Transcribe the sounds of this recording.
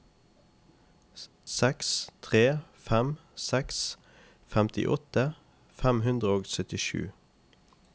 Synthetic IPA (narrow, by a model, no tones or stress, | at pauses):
sɛkst̪ʰʁeːfæmsɛks | fæmt̪ʰɪ̰ʔɔt̪ə | fæmhʉnd̪ʁəoːɡsœt̪ɪʃʉ̰ː